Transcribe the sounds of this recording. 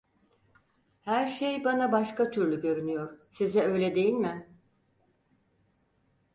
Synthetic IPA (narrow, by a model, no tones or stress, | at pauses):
hæɾʃejbanabaʃkat̪ʰyɾlʲyɟø̞ɾynyjo̞ɾ̥sizɛø̞jlʲɛd̪e̞jilʲmɪ